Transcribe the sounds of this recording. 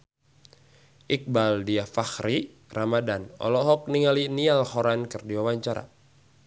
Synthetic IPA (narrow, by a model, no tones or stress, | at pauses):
ʔik̚baldiafaxɾi | ramadanɔ̰lɔɦɔk̚niŋalinialhɔɾankɨrdiwawaɲt͡ʃaɾa̰